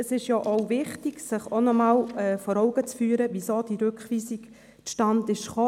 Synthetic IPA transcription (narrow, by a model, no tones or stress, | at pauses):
əsɪʃjɔʔoʊvɪχtiɡ̥sɪχonɔmɑːlɛːfɔɾɔʊɡ̥ət͡sfyːəɾəʋisoːd̥iɾøkχʋiːsiɡ | ʃtɑndɪʃχoː